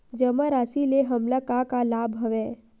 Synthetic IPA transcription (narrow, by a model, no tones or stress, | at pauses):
d͡ʒəmaɾasileɦəmlakakalabɦəʋe